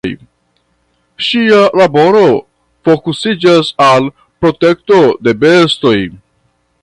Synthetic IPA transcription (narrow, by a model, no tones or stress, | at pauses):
j | ʃialabo̞ɾo̞ | fo̞kusid͡ʒasal | pɾo̞te̞k̚to̞de̞be̞sto̞j